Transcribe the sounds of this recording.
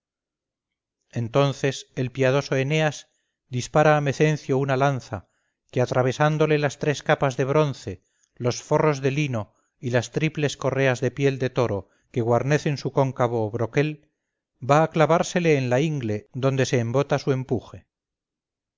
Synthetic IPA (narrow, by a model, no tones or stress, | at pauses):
e̞nt̪o̞nθe̞selpiað̞o̞so̞eneaz | d̪ispaɾaːme̞θe̞n̟θjounalanθa | keat̪ɾaβ̞e̞sand̪o̞le̞last̪ɾe̞skapazðe̞β̞ɾo̞nθe̞ | lo̞sfo̞ro̞zðe̞lino̞ | ilast̪ɾiple̞sko̞re̞azðe̞pje̞ld̪e̞t̪o̞ɾo̞ | ke̞ɣwaɾne̞θe̞nsuko̞ŋkaβoːβɾo̞ke̞l | baːklaβaɾse̞le̞ːnlaiŋɡle̞ðo̞nd̪e̞se̞ːmbo̞t̪asue̞mpuxe̞